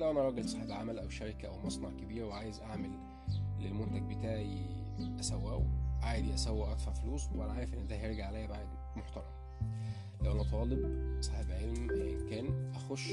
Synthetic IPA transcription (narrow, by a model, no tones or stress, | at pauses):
læwʔænæʔɑɾˤɑːɡelsˤɑħebʕamælʔæwʃæɾekæʔæwmɑsˤnɑʕkebiːɾweʕaːjezʔaʕmelː | elmont̪æɡ̚bet̪aːʕʕiʔæsæwːæ̰ːwʕaːd̪iʔæsæwːæʔæd̪faʕfoluːsweʔænæʕaːɾefʔenːd̪æeɾˤɡaʕalæjːæbaʕed̪ | moħt̪ɑɾˤɑm | læwʔænæt̪ˤɑːlebsˤɑħebʕelmhʔemkæːnʔæxoʃ